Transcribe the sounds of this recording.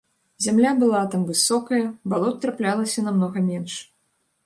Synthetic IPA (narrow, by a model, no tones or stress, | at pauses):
zʲamlʲabɨlˠat̪amvɨsɔkɐjɐbalˠɔt̪̚ʲt̪ɾaplʲalˠɐsʲɐnamnɔɣɐmʲɛnʂ